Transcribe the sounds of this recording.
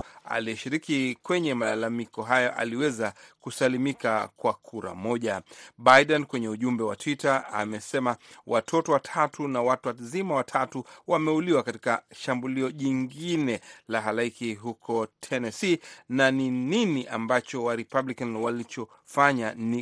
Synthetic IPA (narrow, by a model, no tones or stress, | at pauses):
a̰liɛʃiɾikikwɛɲɛmaalamikɔɦajɔʔa̰liwɛzakusalimikakwakʰuɾa̰mɔʄaɓajɗɛnkwɛɲɛuʄumbɛwa̰tʰwitaa̰mɛsɛmawʔatʰɔtɔwatʰatunawatuwazimawatʰatuwamɛuliwakati̥kaʃambuliɔʄiŋɡinɛlaɦalaikiɦukʰɔtʰɛnɛsinanininiʔambat͡ʃɔwaɾipablikanwalit͡ʃɔ | faɲani